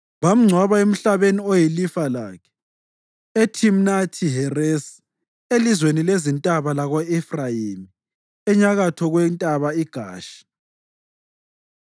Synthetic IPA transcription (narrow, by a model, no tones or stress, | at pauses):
βam̩ŋ͡ǀʱwaβaem̩ɬaβeniojilifala̰ːkʰɛ̥ | etʰimnatʰiɦɛres | elizwenilezintʼaβalaɣɔɛfrajimi | ɛɲaɣatʰɔɣwɛntʼaβaiɡ̥ʱa̰ːʃi̥